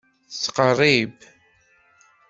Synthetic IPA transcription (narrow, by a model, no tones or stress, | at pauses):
θt͡sːqərˤːib